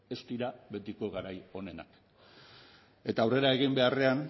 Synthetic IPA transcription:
e̞st̪iɾaβe̞t̪iko̞ɣaɾajo̞ne̞na̰k | e̞t̪aːwre̞ɾae̞ɣ̞imbe̞are̞an

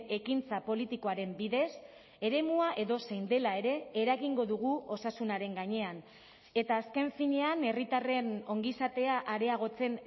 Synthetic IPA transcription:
ekint͡sapo̞lit̪iko̞aɾe̞mbiðe̞s | e̞ɾe̞muaʔe̞ðo̞sejnd̪e̞lae̞ɾe̞ːɾaɣiŋɡo̞ðuɣuo̞sasunaɾe̞ŋɡaɲe̞an | e̞t̪aːske̞ɱfiɲe̞ane̞rit̪are̞no̞ŋɡisat̪e̞aʔaɾe̞aɣ̞o̞t͡se̞n

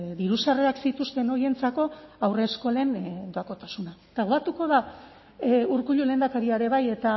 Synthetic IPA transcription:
ðiɾusareaksit̪ust̪e̞no̞je̞nt͡sako̞awre̞sko̞le̞nd̪oako̞t̪asunat̪aɣoat̪uko̞ða | uɾkuʎule̞ːnd̪akaɾiaɾe̞βaje̞t̪a

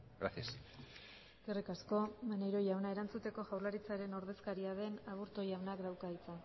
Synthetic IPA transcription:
ɡɾasias | kerikasko̞maneɾo̞jawnae̞ɾant͡sut̪e̞ko̞ʝawlaɾit͡saɾe̞no̞ɾðe̞skaɾiaðe̞naβuɾt̪ojawnakd̪awkait͡sa

